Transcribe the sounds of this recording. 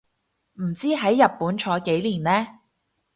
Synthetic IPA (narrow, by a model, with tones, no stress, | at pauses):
m̩˨˩t͡siː˥ɦɐ˨˥jːɐ˨p̚pːuː˨˥nt͡ʃʰɔː˨˥jke˨˥jliː˨˩nlɛː˥